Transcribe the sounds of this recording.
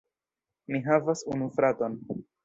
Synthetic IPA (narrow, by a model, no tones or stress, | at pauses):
miɦavasunufɾato̞n